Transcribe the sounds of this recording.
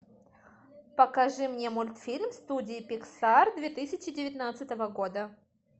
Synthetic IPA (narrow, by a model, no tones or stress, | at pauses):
pəkɐʐɨmnʲemʊlʲt̪fʲilʲmst̪udʲɪːɪpʲɪksard̪vʲet̪ɨsʲɪt͡ɕɪdʲɪvʲɪt̪nat̪sɨt̪əvəɡo̞d̪ə